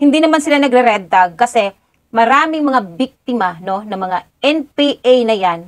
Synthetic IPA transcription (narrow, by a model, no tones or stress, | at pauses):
hɪnd̪inɐmansɪlanɐɡɾɛɾɛd̪ɐɡ̚kɐsɛ | mɐɾaːmɪŋmɐŋabik̚t̪ɪmɐno̞nɐŋmɐŋaʔɛnpiʔajnɐjan